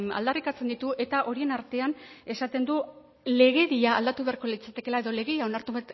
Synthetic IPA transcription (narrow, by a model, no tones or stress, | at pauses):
a̰ld̪arikat͡se̞nd̪it̪uʔe̞t̪aʔo̞ɾie̞naɾt̪e̞ane̞sat̪e̞nd̪u | le̞ɣ̞e̞ðiaːld̪at̪uβe̞aɾko̞lit͡sat̪e̞ke̞lae̞ðo̞le̞ɣeiao̞naɾt̪uβat̪